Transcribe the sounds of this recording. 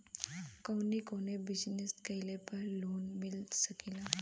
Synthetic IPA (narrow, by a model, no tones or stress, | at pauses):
kəwnikoñebid͡ʑneskəjlepəɾloːnmilsəkila